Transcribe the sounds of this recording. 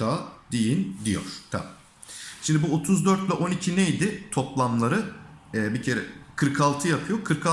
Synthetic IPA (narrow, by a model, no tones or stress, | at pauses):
aːd̪̥ijind̪ijo̰ɾ̥t̪ʰa̰ | ʃimd̪ibuo̞t̪ʰuzd̪øɾt̪vɛʔo̞nicʰinejd̪ɪt̪ʰo̞plˠamlˠaɾɯɛːbicʰeɾɛ̰kʰɯɾkʰalˠt̪ʰɯjapʰɯjo̞kʰɯɾkʰa